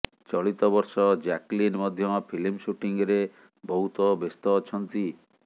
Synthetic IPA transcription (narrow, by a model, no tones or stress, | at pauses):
t͡ʃɔɭit̪ɔbɔɾsɔd͡ʒaklinmɔd̪ʱjɔpʰilimsuʈiŋɡɾe | bɔɦut̪ɔbest̪ɔːt͡ʃʰɔnt̪i